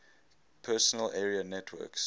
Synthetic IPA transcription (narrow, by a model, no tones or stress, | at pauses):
pʰɜsənəlʔɛːɹiənɛtʰwɜ̰ks